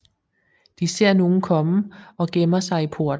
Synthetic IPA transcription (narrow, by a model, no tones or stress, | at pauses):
d̥ise̝ɐ̰no̝ːn̩kʰɒ̽məɒ̽ɡ̥emɐsɑ̈ɪipʰo̝ɐ̰d̥̩